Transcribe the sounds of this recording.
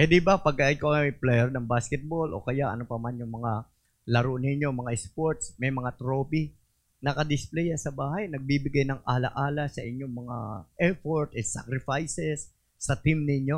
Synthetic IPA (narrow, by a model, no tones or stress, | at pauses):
hɛd̪ibɐpɐɡ̚kːaʔɪnkoplɛjɛɾnɐŋbaːskɛt̪̚bolʔo̞̰kɐjaʔɐ̰nopɐmanjʊŋmɐŋa | lɐɾonɪɲjo̞mɐŋaʔɛspoɹt̪smɐjmɐŋat̪ɾoːpi | nɐkɐd̪ɪsplɛjasɐbaːhɐjnɐɡ̚bibɪɡajnɐŋaːlɐ̰ʔaːlasɐʔɪɲːoŋmɐŋa̰ʔɛɹfoɹt̪ɛt̪sa̰kɾɪfajsɛsː | ɐt̪ɪmnɪɲjo̞